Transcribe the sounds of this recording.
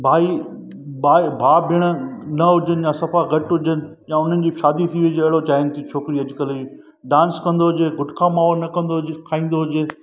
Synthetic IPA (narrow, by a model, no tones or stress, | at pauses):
bʱaːi | baːbʱaːbʱɪɽ̃̆nɐɦʊd͡ʑənɪ̆jãːsɐfaɡɐʈɦʊd͡ʑənɪ̆ | jãːʊn̤ənɪ̆d͡ʑiːʃaːd̪it̪ʰiʋid͡ʑeɐɦɪɭot͡ɕaːɪnt̪ʰit͡ɕʰoːkɪɾiɐd͡ʑɪkəli | ɖãːnskɐ̃nd̪oɦʊd͡ʑeːɡʱʊʈkʰãmaːonɐkɐ̃nd̪okʰaːĩːnd̪oɦʊd͡ʑeː